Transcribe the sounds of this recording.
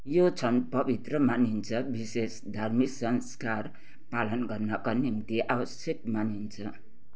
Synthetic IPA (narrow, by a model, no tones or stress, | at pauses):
jot͡sʰʌnpʌbʱit̪rʌmanint͡sʰʌbisesd̪ʱarmisʌnskar | palʌnɡʌrnʌkanimt̪iʔabʌsjekmanint͡sʰʌ